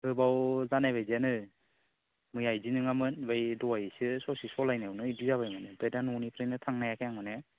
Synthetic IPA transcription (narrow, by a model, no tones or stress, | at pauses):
hɯbawzanajβajzianɯ | mɯjajzinɯŋamɯnbajdɔajsɯsɔsisɔlajnawnɯiduzaβajmɯnɯbedanunipʰɾɯjnɯtʰaŋnajakʰejaŋɯne